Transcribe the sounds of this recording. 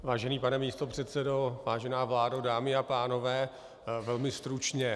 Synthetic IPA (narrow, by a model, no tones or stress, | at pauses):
vaːʒɛniːpanɛmiːst̪o̞pr̝̥ɛt̪sɛdo̞vaːʒɛnaːvlaːdodaːmɪapaːno̞vɛː | vɛlmɪst̪ɾut͡ʃɲɛ